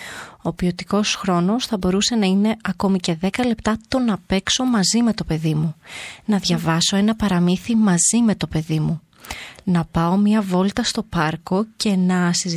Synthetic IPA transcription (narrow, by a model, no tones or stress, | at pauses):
o̞pio̞t̪iko̞sxɾo̞no̞sθɐbo̞ɾuse̞nɐine̞ɐko̞mice̞ðe̞kɐle̞pt̪ɐt̪o̞nɐpe̞kso̞mɐzime̞t̪o̞pe̞ðimunɐðʝɐvɐso̞e̞nɐpɐɾɐmiθimɐzime̞t̪o̞pe̞ðimu | nɐpɐo̞mɲɐvo̞lt̪ɐst̪o̞pɐɾko̞ce̞nɐsiz